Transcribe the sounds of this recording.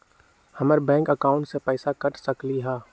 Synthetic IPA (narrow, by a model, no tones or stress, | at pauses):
hɐməɾbɛ̃ːŋkəkaːʊ̃ɳʈsepɛːsakɐʈsɐkliɦɛː